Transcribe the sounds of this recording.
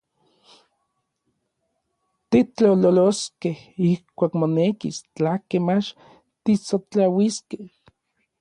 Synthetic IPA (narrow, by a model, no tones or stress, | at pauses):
t̪it͡ɬt͡ɬololoskehihkʷaːkmonekḭst͡ɬahkemat͡ʃ | t̪isot͡ɬawiskeh